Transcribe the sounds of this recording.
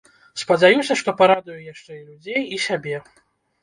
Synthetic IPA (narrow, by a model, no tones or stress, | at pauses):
spɐd͡zʲajusʲɐʂt̪ɔpaɾad̪ujujaʂt͡ʂɛilʲud͡zʲejisʲabʲɛ